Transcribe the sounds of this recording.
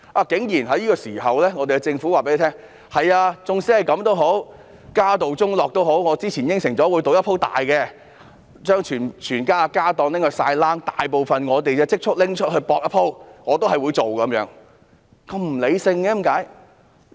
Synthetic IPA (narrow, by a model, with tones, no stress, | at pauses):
ʔaː˧˩kɪ˨˥ŋjiː˨˩nɦɐ˨˥jiː˥kɔː˧siː˨˩ɦɐ˨wlɛː˥ŋɔ˨˧t̪e˨jkt͡sɪ˧ŋfu˨˥waː˨pe˧˥le˧t̪ʰɛː˥ŋ | hɐ˨˩jaː˧t͡sʊ˨˧ŋsiː˨˥hɐ˨jkɐ˨˧˥mt̪o˥wɦo˨˥w | kaː˥t̪o˨wt͡sʊ˥ŋlɔː˨k̚t̪o˥wɦo˨˥wŋɔː˨˧t͡siː˥t͡sʰiː˨˩njɪ˥ŋsɪ˨˩ŋt͡sɔː˨˥wuː˨˧jt̪o˨˥wjɐ˥pʰo˥wt̪a̰ː˨jkɛ˧ | t͡ʃœː˥ŋt͡ʃʰyː˨˩nt͡ʃʰyː˨˩nkaː˥aː˧kaː˥t̪ɔː˨˧ŋlɪ˥ŋhɵ˧sa̰ː˧jlaː˥ŋt̪aː˨jp̬o˨wfɐ˨nŋɔː˨˧t̪e˨jkɛ˧t͡sɪ˥k̚t͡ʃʰʊ˥k̚lɪ˥ŋt͡ʃʰɵ˥t̚hɵ˧ɥpɔː˧k̚jɐ˥pʰo˥wŋɔː˨˧t̪̬o˥ɦɐ˨jwuː˨˧jt͡so˨wkɐ˨˥mjœː˨˥ŋ | kɐ˧mm̩˨˩le˨˧jsɪ˧ŋɛː˧˨˥mkaː˨˥j